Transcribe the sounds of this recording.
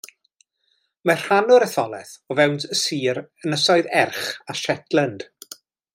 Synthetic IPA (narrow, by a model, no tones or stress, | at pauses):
mɛr̥hanʊɾəθɔlˠɛθɔvɛwntəsiːɾənəsɔɨðɛrχaʃɛtlənd̥